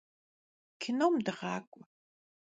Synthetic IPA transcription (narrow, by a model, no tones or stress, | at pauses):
kʰɪnowmdɨʁɑːkʷʼʊ